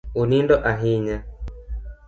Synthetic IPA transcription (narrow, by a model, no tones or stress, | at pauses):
unindɔʔaɦiɲa